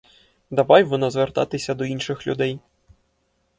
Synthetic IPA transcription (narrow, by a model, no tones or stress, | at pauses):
d̪abajvɔnɐzvʲɛrt̪a̰t̪ɪsʲɐd̪ɔinʂɪxlʲṵd̪ɛj